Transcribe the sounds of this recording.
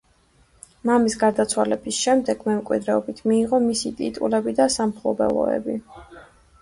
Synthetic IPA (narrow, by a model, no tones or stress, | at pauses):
mamisɡaɾd̪at̪sʰwalɛbisʃɛmd̪ɛɡ̥mɛmkʼwḭd̪ɾɛɔbit̪ʰmiːʁɔmisit̪ʼḭt̪ʼṵlɛbid̪asamχlˠɔbɛ̰lˠɔ̰ɛ̰bi